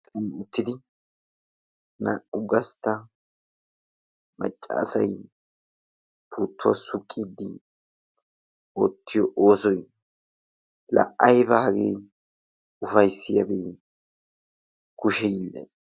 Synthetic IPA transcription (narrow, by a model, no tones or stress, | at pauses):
t̪ʰʼɐnʊt̪ːɪd̪ɪ | nɐʊɡɐst̪ːɐ | mɐ̰t͡ʃʼːa̰ːsɐj | pʰuːt̪ʰːʊwa̰sʊkʼːɪd̪ːɪ | oːt̪ʰːɪjɔʔoːsɔj | lɐ̰ʔɐjbɐhɐɡḛː | ʊfɐjsːɪjɐbeː | kʊʃɛjilːɐ̰j